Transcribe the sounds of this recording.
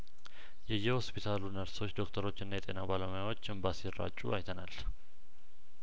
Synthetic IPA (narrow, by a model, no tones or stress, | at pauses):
jɛjːɛho̞spʰit̪ʰalunəɾso̞t͡ʃːd̪o̞kt̪ʰəɾo̞t͡ʃːɨnːajɛt̪ʼe̞nabaləmjawo̞t͡ʃːɨmbasirːa̰t͡ʃʼːuajt̪ʰəna̰l